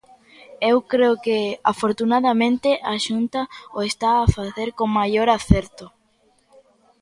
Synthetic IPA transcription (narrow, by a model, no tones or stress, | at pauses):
ewkɾeokeafoɾt̪unaðamẽnt̪ɪʔaʃunt̪aoest̪aːfaθeɾkoŋmajoɾaθɛɾt̪ʊ